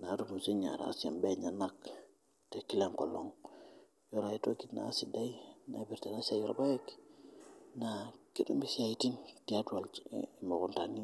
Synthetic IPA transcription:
natumunsiɲa̰ɾa̰a̰sia̰mbeɲanak | tekilaŋkolo̰ŋ | joɾajitokitna̰ːsidajna̰biɾtanasajoɾa̰bawek | nakidṵmbisajtintiatualmakunta̰ni

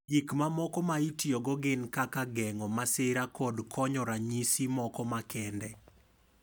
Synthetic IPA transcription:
ikmamɔkɔmaitjɔɡɔɡɪnkakaɡɛŋɔmasɪɾakɔdkʰɔɲɔɾaɲisimɔkɔmakɛndɛ

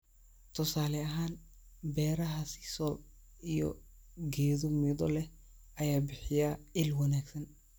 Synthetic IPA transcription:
t̪ʰʊsaːlɛɐɦaːn | bɛːɾɐɦɐsɪ̥sɔb | ijɔ̰ | ɡɛːðʊmid̪ɔlɛ | ʔɐjaːbɪħɪjaɪlwɐnaːɡsɐn

